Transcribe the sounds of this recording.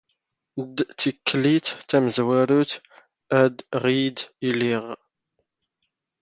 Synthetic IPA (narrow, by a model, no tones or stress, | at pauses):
d̪t̪ːikʰːlit̪ːæməzwæɾut̪ | æd̪ʁid̪iliʁ